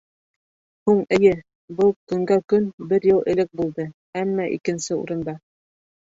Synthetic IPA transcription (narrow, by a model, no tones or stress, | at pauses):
huɴɘ̆jɘ | bɤlˠkɵ̆ŋɡækɵnbɘɾjɤlˠɘ̆lɘk̚bulˠd̪ɤ | æmːɑʔḭkɘ̆nsɘṵɾɤ̆nd̪ɑ